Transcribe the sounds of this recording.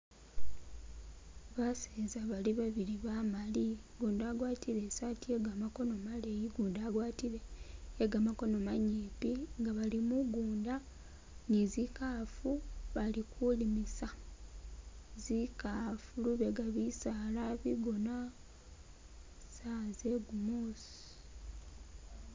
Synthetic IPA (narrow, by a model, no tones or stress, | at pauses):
βaseːzaβaliβaβiɾiβamaliɡuːndaːɡwaːtiɾe̞satie̞ɡamako̞no̞malejiɡuːndaːɡwaːtiɾe̞eɡamako̞nomaɲeːpiŋɡaβalimuɡuːnda | nizikafuβalikʰulimisa | zikafuluβeɡaβisaːlaβiɡo̞na | sazeɡumos